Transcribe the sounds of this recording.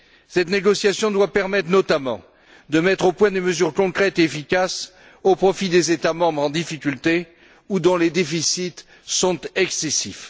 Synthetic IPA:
sɛt̪neɡɔsjasjɔ̃d̪wapɛʁmɛt̪χnɔt̪amɑ̰̃ | d̪əmɛt̪χopwɛ̃d̪eməzyʁkɔ̃kχɛt̪eefikʲas | opχɔfid̪ezet̪amɑ̃bʁɑ̃d̪ifikʲylt̪e | ud̪ɔ̃led̪efisit̪ | sɔ̃t̪ɛksesif

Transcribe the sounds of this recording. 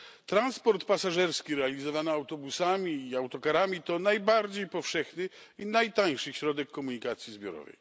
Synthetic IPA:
t̪ɾanspɔɾt̪pasaʐɛɾskʲiɾɛalʲizɔvanaawt̪ɔbusamʲiːawt̪ɔkaɾamʲit̪ɔnajbaɾd͡ʑejpɔfʂɛxnɘ | inajt̪aɲʂɘɕɾɔd̪ɛkːɔmuɲikat̪sʲjizbʲjɔɾɔ̰vɛ̰j

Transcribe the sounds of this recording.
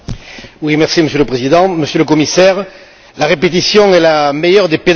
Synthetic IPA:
wimɛʁsiməsjøləpχezid̪ɑ̃məsjøləkɔmisɛʁ | laʁepet̪̬isjɔ̃ɛlamejœʁd̪eped̪

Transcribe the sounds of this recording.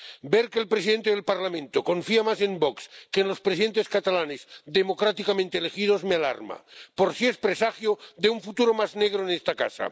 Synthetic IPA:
beɾkeːlpɾesiðe̞nt̪eðelpaɾlamẽ̞nt̪oko̞ɱfiamase̞mbokskeːnlo̞spɾes̬iðe̞nt̪e̞skat̪alanezd̪emo̞kɾat̪ikamẽnt̪eelexið̞o̞zmeala̰ɾma̰po̞ɾsie̞spɾesaxjoðeuɱfut̪uɾomazne̞ɣ̞ɾoenest̪aka̰sa̰

